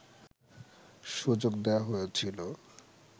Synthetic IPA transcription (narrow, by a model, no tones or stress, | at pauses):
ʃud͡ʑok̚d̪eaɦojet͡ɕʰilo